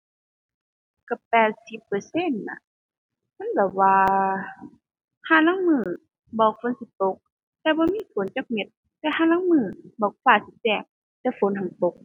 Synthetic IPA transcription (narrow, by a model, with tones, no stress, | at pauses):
ka˧˩pɛː˧t̪̚si˧˦pːə˧˩se˧˥˨nːa̰˧˦ | ma˧˥˨bɛ˨˧˩waː˧ | hʰaː˧˨laː˧˥˨ŋmɯː˧˩ | bɔː˧˩k̚fʰo˧˦nsi˧˦t̪o˧˦k̚ | t̪ɛː˧bɔː˧˦miː˧˥˨fo˨˦nt͡ɕa˧˥k̚me˧˦t̪̚ | t̪ɛː˧˨haː˧˥˨naː˧˥˨ŋmɯː˧˩bɔː˧˦k̚ʰfaː˧˩si˧˦t͡ɕɛː˧˩ŋ̚ | t̪ɛː˧˩fo˨˦nha˨ŋt̪o˧˦k̚